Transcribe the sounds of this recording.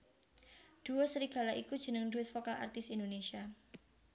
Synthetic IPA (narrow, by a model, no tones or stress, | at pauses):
d̥uasəɾiɡ̥a̤laʔikud̥d͡ʒənəŋduɪt̪̚fokalʔa̰rt̪ɪsindonesia